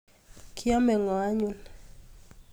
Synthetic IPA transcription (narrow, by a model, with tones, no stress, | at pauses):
kʰi˦a˦mɛ˨ŋɔ˨a˦ɲu˦˨l